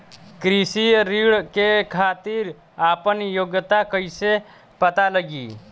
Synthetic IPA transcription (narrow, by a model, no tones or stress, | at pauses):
kɾisiɾiːɽkekʰaːt̪iɾ | aːpənjoɡt̪akəɪse | pət̪aləɡḭː